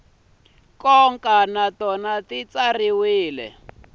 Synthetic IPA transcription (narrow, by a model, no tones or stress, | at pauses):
kɔŋkanatɔnatit͡sariwiːlɛ̰